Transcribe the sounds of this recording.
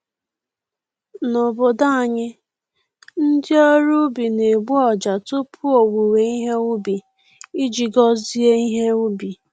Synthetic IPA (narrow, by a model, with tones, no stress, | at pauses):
no˨bo˨da˦a˨ɲɪ˦ | n̩˦dɪ˦o˦ɾu˦bi˨ne˨ɡ͡bu˦ɔ˨d͡ʒa˨tʊ˦pʰu˦o˨wu˨we˨i˦ɦe˦u˦bi˨ | i˦d͡ʒi˨ɡɔ˦zi˦e˦i˦ɦe˦u˦bi˨